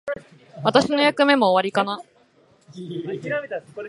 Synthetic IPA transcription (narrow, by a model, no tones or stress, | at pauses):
βat̪aɕino̞jakɯ̟me̞mo̞ːβaɾʲikana